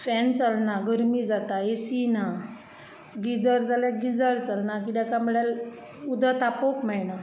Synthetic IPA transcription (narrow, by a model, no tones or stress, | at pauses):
fɛnt͡salnaɡəɾmid͡zat̪aesina | ɡid͡zəɾd͡zaljaɡid͡zəɾt͡salnakid̪akam̤əɽal | ud̪ət̪apokmɛɭna